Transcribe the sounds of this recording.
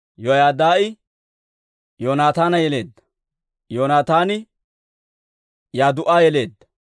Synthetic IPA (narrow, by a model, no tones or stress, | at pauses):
jɔjaːd̪aːʔɪ | joːnaːt̪aːnɐjɛle̞ːd̪ːɐ̥ | joːnaːt̪aːnɪ | jaːd̪ʊʔaːjɛle̞ːd̪ːɐ̥